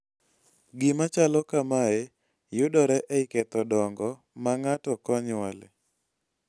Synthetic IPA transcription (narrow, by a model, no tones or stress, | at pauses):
ɡɪmat͡ʃalɔkamae | jʊdɔɾɛʔɛɪkɛt̪ɔdɔŋɡɔ | maŋatɔkɔɲwalɪ̰